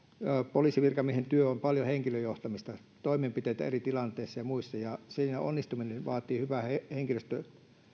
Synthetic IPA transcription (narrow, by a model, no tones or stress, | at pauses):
poliːˑsiʋirkɑmiehent̪yøompɑljoheŋkiløjoht̪ɑmist̪ɑ | t̪oimempit̪eit̪æ̰erit̪ilɑnt̪eisːɑjɑmuisːɑjɑsiːnæo̰nːist̪uminenʋɑ̰ːt̪ˑiːhyʋæheheŋkiløst̪ø